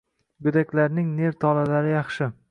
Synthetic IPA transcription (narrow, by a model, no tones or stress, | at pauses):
ɡɵd̪akʲlaɾnɪŋne̞ɾt̪ʰɒlalaɾɪjɑχʃɪ